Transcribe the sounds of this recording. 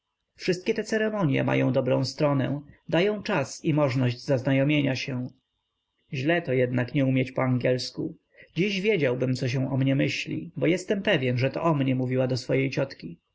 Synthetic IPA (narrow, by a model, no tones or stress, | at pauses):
fʂɘst̪̚kʲɛt̪ɛt̪sɛɾɛmɔɲjɛ̰ma̰jɔ̃w̃d̪ɔbɾɔ̰̃w̃st̪ɾɔnɛ̰̃d̪ajɔ̃w̃t͡ʂasimɔʐnɔʑd͡ʑzaznajɔmʲjeɲaɕɛ̃ | ʑlɛt̪ɔjɛd̪nakɲɛumʲjɛt͡ɕpɔaŋɡʲɛlskṵ | d͡ʑiʑvʲjed͡ʑawbɘmt̪sɔɕ̬ɛ̃w̃ɔmɲɛmɘɕlʲḭbɔjɛst̪ɛmpɛvʲjɛnʐɛt̪ɔ̰ʔɔmɲɛmuvʲiwad̪ɔsfɔjejt͡ɕɔt̪kʲi